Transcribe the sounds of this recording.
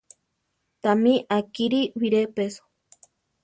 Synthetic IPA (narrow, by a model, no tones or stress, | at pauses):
t̪amiʔakiɾiwiɾepeso̥